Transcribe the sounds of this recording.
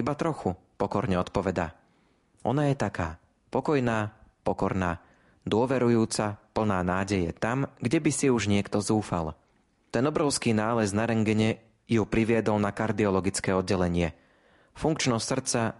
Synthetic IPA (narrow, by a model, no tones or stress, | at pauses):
ibat̪ɾɔxu | pɔkɔɾɲɛɔt̪pɔʋɛd̪a̰ | ʔɔ̰najɛt̪akaː | pɔkɔjnaːpɔkɔɾnaː | d̪ʊɔʋɛɾujuːt͡sapl̩naːnaːɟɛjɛ̰t̪amɡɟɛbisiuʒɲɪɛkt̪ɔzuːfa̰l | t̪ɛnɔbɾɔʊskiːnaːlɛznaɾɛŋɡɛɲɛ | jupɾiʋɪɛd̪ɔlnakaɾd̪iɔlɔɡit͡skɛːɔd̪̚ɟːɛlɛɲɪɛ | fuŋkt͡ʃnɔssr̩t͡sa